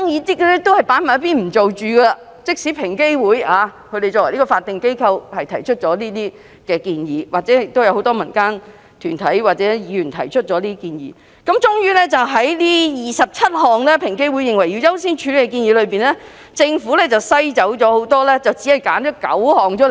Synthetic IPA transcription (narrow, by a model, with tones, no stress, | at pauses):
ŋjiː˨˧t̪iː˥kːɛ˥t̪o˥whɐ˨˩jpaː˨˥nmaː˨˩˥piː˥nm̩˨˩t͡so˨wt͡ʃyː˨ɡə˧lɐ˧ | t͡sɪ˥k̚si˨˥pʰɪ˨˩ŋke˥jwuː˨˥jaː˨˧kʰɵ˧ɾe˨jt͡ʃɔː˧kwjli˥kɔː˧faː˧t̚t̪ɪ˨ŋke˥jkʰɐ˧whɐ˨jt̪ʰɐ˨˩jt͡ʃʰɵ˥t̚t͡ʃɔː˨˥liː˥t̪iː˥ | kɛː˧kiː˧njiː˨˥waː˨k̚t͡sɛ˨˧˥ɪ˨k̚t̪o˥wjɐ˧who˨˥wt̪̬ɔː˥mɐ˨˩nkaː˥n | t̪ʰyː˨˩nt̪ʰɐ˨˥jwaː˨˩t͡sɛː˨˥jiː˨˧jyː˨˩nt̪ʰɐ̰˨˩jt͡ʃʰɵ˥t̚t͡ʃɔː˨˥liː˥kiː˧njḭː˨˥ | kɐ˨˥mt͡ʃʊ˥ŋjyː˥lɛː˥t͡sɐ˨wɦɐ˨˥jliː˥jiː˨˩sɐ˨p̚t͡sʰɐ˥t̚ɦɔː˨˩ŋlɛː˥pʰɪ˨˩ŋke˥jwu˨˥jɪ˨ŋwɐ˨˩ji˧wjɐ˥wsiː˥nt͡ʃʰyː˨˧lkɛ˧kiː˧nji˨˧lɵ˨˧piː˨nlɛ˥ | t͡sɪ˧ŋfuː˨˥lɛː˥t͡sɐ˨˩wsɐ˥jt͡sɐ˨˥wt͡ʃɔː˨˥ho˨˥wt̪ɔː˥lɛː˥t͡sɐ˨wt͡siː˨˥hɐ˨jkaː˨˥nt͡ʃɔː˨˥kɐ̰˨˥whɔː˨˩ŋt͡ʃʰːl